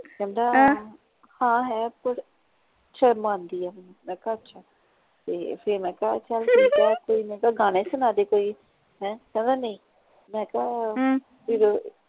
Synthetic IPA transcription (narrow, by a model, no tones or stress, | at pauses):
kɛ̃ːnd̪aː | hãːɦɛːpəɾ | t͡ʃʰəmãːnd̪iːɛːmːmɛ̃ːkaːətːʃʰaː | t̪eːpʰɪɾmɛ̃ːkaːt͡ʃəlkəkɛːkoːiːmɛ̃ːkaɡaːɽ̃ẽːsʊnaːd̪eːkoːiː | ɦɛ̃ːkɛ̃ːnd̪aːnə̃ĩː | mɛ̃ːka | piɾo